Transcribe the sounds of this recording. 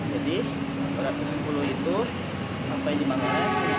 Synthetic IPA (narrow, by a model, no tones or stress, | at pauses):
d͡ʒadi | suɾat̪usə̥puluɦit̪u | sampajdimaŋa